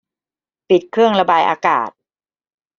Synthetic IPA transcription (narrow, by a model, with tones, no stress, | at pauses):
pi˨˩t̪̚kʰɾɯ˥˩əŋɾa˧baː˧jʔa̰ː˧ka̰ː˨˩t̪̚